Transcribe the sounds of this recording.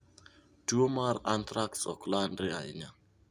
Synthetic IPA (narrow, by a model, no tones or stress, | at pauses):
dumaɾãntʰɾak̚sɔ̰klandɾia̰ḭɲa